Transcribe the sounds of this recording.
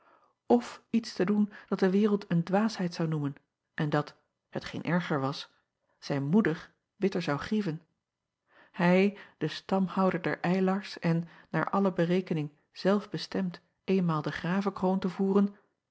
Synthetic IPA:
ɔfitstədund̥ɑt̚dəʋɪːʁəlˠtəndʋaːsɦɛjtsɑwnumən | ʔɛndɑt | hətχḛjnʔɛɹχəɹʋɑs | z̥ɛjnmudəɹ | bɪtəɹzɑwχrivən | hɛjd̥əstɑmhɑwdəɹdɛ̰ɹʔɛjlɑɹsɛnː | a̰ːɹʔɑləbəʁejkənɪŋ | z̥ɛlˠfbəstɛmt | ʔejnmaːlˠdəχraːvəkrontəvuːʁən

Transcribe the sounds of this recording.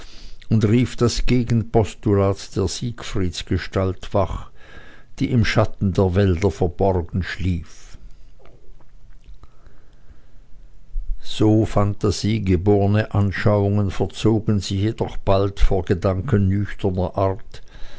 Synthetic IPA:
ʔʊntʁiːfd̥asɡ̥eːɡn̩pʰɔstulaːtd̥eːɐz̥iːkfʁ̥iːsɡ̥əʃtaltv̥aχ | d̥ḭːʔɪmʃatn̩deːɐvɛldɐfɛɐbɔʁɐɡn̩ʃliːf | z̥oːfantaz̥iːɡəboːʁənəʔanʃaʊʊŋənfɛɐt͡soːɡn̩zɪçjedɔχb̥altfoːɐɡədaŋkənnʏçtʰɐnɐʔaʁt

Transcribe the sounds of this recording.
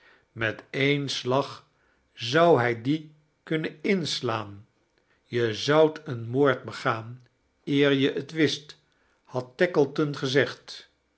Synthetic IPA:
mɛtejnslɑχ | zʌwɦɛjdi | kɵnənɪnslaːn | jəzʌwtənmoːɹt̚bəχaːn | ɪːɹjəʔətʋɪst | hɑtːɛkəlˠtənχəzɛχt

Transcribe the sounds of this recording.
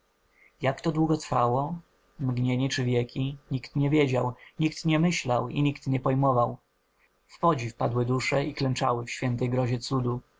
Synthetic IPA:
jakt̪ɔd̪wuɡɔt̪ɾfawɔ | mɡɲeɲɛt͡ʂɘvʲjɛkʲiɲikt̪ɲɛvʲjed͡ʑawɲikt̪ɲɛmɘɕlawḭɲikt̪ɲɛpɔjmɔvaw | fpɔd͡ʑifpad̪wɘd̪uʂɛiklɛnt͡ʂa̰wɘfɕfʲjɛnt̪ɛjɡɾɔʑɛt̪sud̪u

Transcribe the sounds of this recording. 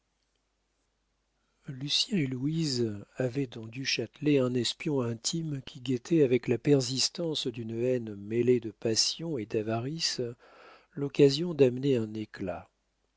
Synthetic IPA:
lysjɛ̃eluizavɛd̪ɑ̃d̪yʃat̪leɛ̃nɛspjɔ̃ɛ̃t̪ʰimkʲʰiɡʲet̪ʰɛavɛklapɛʁzist̪ɑ̃sd̪ynɛnmeled̪əpasjɔ̃ed̪avaʁis | lɔkazjɔ̃d̪amneɛ̃nekla

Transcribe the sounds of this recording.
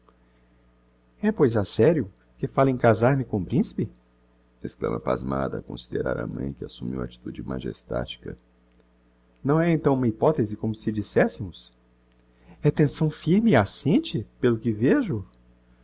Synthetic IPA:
ɛpojzasɛɾjʊ | kɪfalẽkazaɾmɪkõpɾĩsi̥pɪ | esklɐ̰̃mɐpazmad̪ɐkõsid̪eɾaɾɐmɐ̰̃j̃kɪasumḭwa̰t͡ʃi̥t̪ud͡ʒɪmaʒḛst̪a̰t͡ʃi̥kɐ | nɐ̃w̃ɛẽnt̪ɐ̃w̃ũmɐipɔt̪ezɪkõmʊsɪd͡ʒisɛsɪmʊs | ɛt̪ẽsɐ̃w̃fiɾmɪiasẽnt͡ʃɪpelʊkɪveʒʊ

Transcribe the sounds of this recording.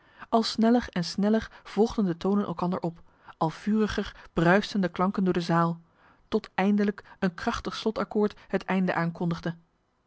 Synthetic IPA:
ʔɑlˠsnɛlərɛnsnɛlərv̥ɔlˠχdəndətownənʔɛ̰lˠkɑndə̰ɹʔɔp | ʔɑlˠv̥yːrəχərb̥rœɥstəndəklɑŋkəndʊːɹdəzaːlˠ | tɔtɛjndələkənkrɑχtəχslɔtɑkʊːɹtɦətɛjndə̰ʔaːŋkɔndəχdə

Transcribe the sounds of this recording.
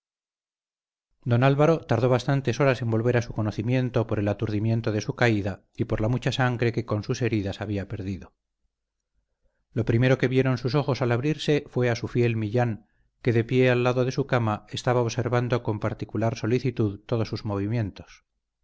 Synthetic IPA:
d̪o̞nalβaɾo̞t̪aɾðo̞β̞ast̪ant̪e̞so̞ɾase̞mbo̞lβe̞ɾasuko̞noθimje̞nt̪o̞po̞ɾe̞lat̪uɾðimje̞nt̪o̞ðe̞sukaiða | ipo̞ɾlamut͡ʃasaŋɡɾe̞ke̞ko̞nsuse̞ɾiðasaβ̞iape̞ɾðiðo̞ | lo̞pɾime̞ɾo̞ke̞βje̞ɾo̞nsuso̞χo̞salaβɾiɾse̞fwe̞asufje̞lmiʎaŋ | ke̞ðe̞pje̞alːaðo̞ðe̞sukamae̞st̪aβaoβse̞ɾβand̪o̞ko̞mpaɾt̪ikulaɾso̞liθit̪uðt̪o̞ðo̞sːuzmoβ̞imje̞nt̪o̞s

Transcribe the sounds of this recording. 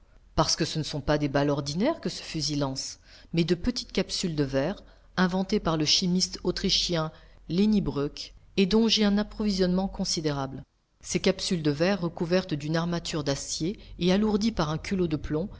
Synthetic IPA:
paʁsə̥kəsənəsɔ̃pad̪ebalɔʁd̪inɛʁkəsə̥fyzilɑ̃smɛd̪əpət̪i̥t̪kapsyld̪əvɛːʁ | ɛ̃vɑ̃t̪epaʁləʃimist̪ot̪χiʃjɛ̃lenibʁøked̪ɔ̃ʒeɛ̃napχɔvizjɔnmɑ̃kɔ̃sid̪eʁabl | sekapsyld̪əvɛʁːəkuvɛʁt̪d̪ynaʁmat̪ʰyʁd̪asjeːaluʁd̪ipaʁɛ̃kʰʲylod̪əplɔ̃

